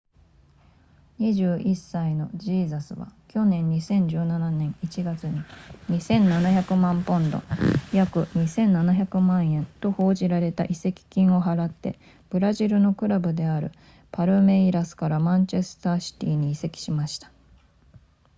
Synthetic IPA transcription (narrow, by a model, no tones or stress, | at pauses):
ɲ̟iʑɨːʔisːaino̞d͡ʑiːzasɨβa̰kʲo̞nẽ̞ɲ̟ɲːisẽ̞ɲ̟d͡ʑɨːnananẽ̞ɰ̃it͡ɕiɡat͡sɨɲ̟iɲ̟isẽ̞nːanaçakɯ̟mãmpõ̞nd̪o̞̰jakɯ̟ɲ̟isẽ̞nːanaçakɯ̟mãɰ̃ẽ̞nt̪o̞ho̞ːʑiɾaɾe̞t̪a̰ʔise̞kʲi̥kʲĩɰ̃o̞ɦaɾat̪ːe̞̰ | b̥ɯ̟ɾaʑiɾɯ̟no̞kɯ̟ɾabɯ̟d̪e̞aɾɯ̟̰ | paɾɯ̟me̞iɾasɨ̥kaɾamãɲt͡ɕe̞sɨ̥t̪aːɕi̥t̪ʲiːɲ̟iise̞kʲi̥ɕimaɕi̥t̪ḁ